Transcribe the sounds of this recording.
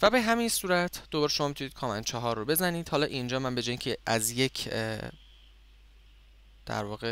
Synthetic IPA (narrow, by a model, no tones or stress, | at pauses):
væbe̞ɦæmiːnsuːɾæt̪ʰd̪̥obɒːɾe̞ʃoɒːmit̪uniːd̪̥̚kʰɒːmænt͡ʃʰɒɦɒrːobe̞zæniːd̪̥hɒːlɒːʔind͡ʒɒːmænbe̞d͡ʒɒːjiŋcʰeæzje̞cʰ | d̪̥æ̰ɾvɒːɣe